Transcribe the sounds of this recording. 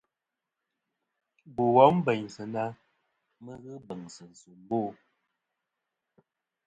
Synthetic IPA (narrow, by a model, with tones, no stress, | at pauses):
bu˨wɔ˨˦m̩˦bə˨ɲsə˨na˦ | mə˦ɣɨ˦bə˨ŋsə˨n̩˨su˨m˦boː˦˨